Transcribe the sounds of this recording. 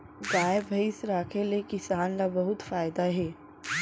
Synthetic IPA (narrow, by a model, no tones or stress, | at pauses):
ɡaːebʱɐɪsɾaːkʰelekɪsaːnlabɐɦʊt̪faːɪd̪aɦɛː